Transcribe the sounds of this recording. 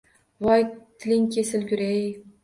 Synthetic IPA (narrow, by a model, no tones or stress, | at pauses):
vɑjt̪ʰɪlɪŋkʲʰesɪlkʲʊɾej